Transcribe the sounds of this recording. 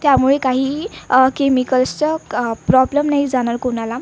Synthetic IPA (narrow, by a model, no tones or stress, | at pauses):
t̪jamuɭekaɦiːkemikəlst͡səpɾɔbləmnaɦjd͡zanaɾkonala